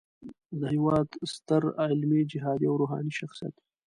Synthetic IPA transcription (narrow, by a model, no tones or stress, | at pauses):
d̪əhɪwɑːd̪st̪əɾaɪlmid͡ʒɪɦɑːd̪iawɾoɦɑ̰ːniʃaxsija̰t̪